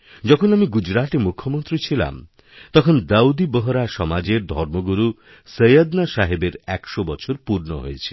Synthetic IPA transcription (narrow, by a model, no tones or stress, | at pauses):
d͡ʒɔkʰonamiɡud͡ʒɾat̪emukʰːomont̪ɾit͡ɕʰila̰m | t̪ɔkʰond̪aud̪ibɔɦɔɾaʃɔmad͡ʒeɾd̪ʱɔɾmoɡuɾu | səjad̪naʃaɦebeɾɛkʃobɔt͡ʃʰoɾpuɾnoɦo̰jet͡ʃʰi̥